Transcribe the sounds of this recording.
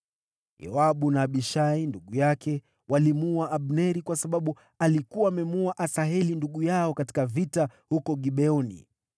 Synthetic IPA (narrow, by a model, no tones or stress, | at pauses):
jɔ̰aɓunaːɓiʃainduɠujakɛ | walimuaʔaɓnɛɾikwasaɓaɓu | alikuwaːmɛmuaʔasaɦɛlinduɠujaɔkati̥kavitahukɔɠiɓɛɔnḭ